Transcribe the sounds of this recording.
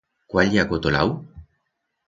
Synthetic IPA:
kwaʎiakot̪ola̰w

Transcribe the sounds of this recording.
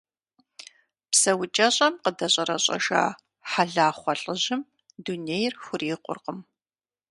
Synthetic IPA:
psɐwʊt͡ʃʼɐɕʼɐmqədɐɕʼɐɾɐɕʼɐ̰ʒa̰ː | ħaɮaːχʷɔɬʼɨʑɪm | duneːjrxʷʊriːqʷʼʊ̰rqəm

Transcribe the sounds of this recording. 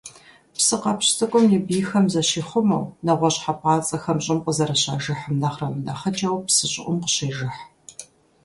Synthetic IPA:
psɨqɐpɕtʰɐkʷʼʊmjibiːxɐmzɐɕiːχʷʊmɐ̰wnɐʁʷɔɕħapʰʼɑːt͡sʼɐxɐmɕʼɪmqʷʼəzɐɾɐɕa̰ːʒɨħəmnɐχrɐmɨdɐχɐt͡ʃʼɐwpsɨɕʼɪ̰ʔʷʊmqəɕeːʒɪħ

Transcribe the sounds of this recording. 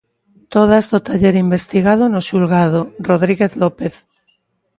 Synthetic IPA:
t̪oð̞azðot̪aʎeɾimbe̞st̪iɣ̞að̞onoʃulɣað̞oroðɾiɣeθlopeθ

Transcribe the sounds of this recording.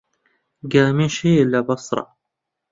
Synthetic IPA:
ɡaːmiːnʃiːʔɪlːabɑsˤɾˤɑ̰

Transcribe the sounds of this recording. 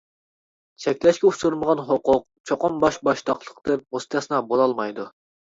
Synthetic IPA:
t͡ʃʰɛkʲlɛʃkʲɛusuɾməʁɑnɦoqʊq̚t͡ʃʰoqʊmbɑʃbɑʃt̪ɑχlˠə̥qd̪ɛp̚most̪ʰɑsɨnɑbolˠɑlˠmɑjd̪u

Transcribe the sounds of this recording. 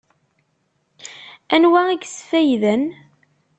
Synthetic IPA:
ænwæiɡsfæjðən

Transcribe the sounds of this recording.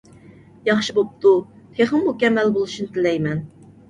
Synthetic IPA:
jɑχʃibop̚t̪ʰu | t̪ʰeχəmmukʲɛmːɛlbolˠuʃinɨt̪ʰɪlɛjmɛn

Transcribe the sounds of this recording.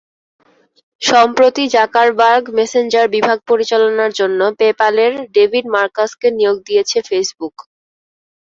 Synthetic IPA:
ʃɔmpɾot̪id͡ʑakaɾbaɾɡmesend͡ʑaɾbibʱaɡ̚poɾit͡ɕalonaɾd͡ʑonːopepaleɾɖebʱiɖ̚maɾkaskenijoɡ̚d̪ijet͡ɕʰefesbuk

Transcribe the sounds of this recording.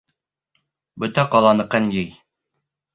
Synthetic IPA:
bɵ̆t̪æqɑlˠɑnɤ̆qɤnjɘj

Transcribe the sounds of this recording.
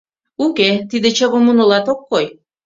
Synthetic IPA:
uket̪id̪et͡ɕəβomunolɑt̪okːoj

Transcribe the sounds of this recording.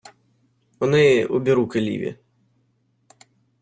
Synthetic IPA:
ɔnɪṵbʲiɾukelʲḭʋʲḭ

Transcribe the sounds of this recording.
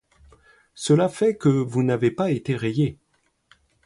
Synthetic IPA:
səlafɛkəvunavepaet̪eʁeje

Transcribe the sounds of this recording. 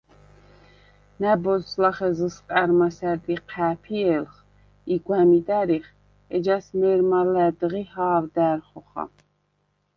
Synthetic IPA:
næbɔzslaχɛzəskʼaɾmasæɾd̪iqʰæːpʰiɛlχ | iɡwæmid̪æɾiχ | ɛd͡ʒasmɛːɾmalæd̪ʁihaːvd̪æːɾχɔχa̰

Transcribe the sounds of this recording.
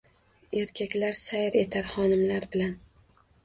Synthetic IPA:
e̞ɾkʲʰakʲlaɾsajɪɾe̞t̪ʰaɾχɒnɪmlaɾbɪlan

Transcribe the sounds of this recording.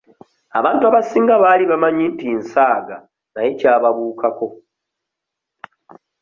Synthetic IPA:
a̰βaːntuaβasiːŋɡaβaːliβamaɲintinsaːɡa̰ | naje̞caːβaβuːkako̞

